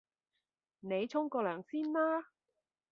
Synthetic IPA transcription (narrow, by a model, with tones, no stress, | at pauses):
ne˨˧jt͡sʰʊ˥ŋkɔː˧lœː˨˩ŋsiː˥nlaː˥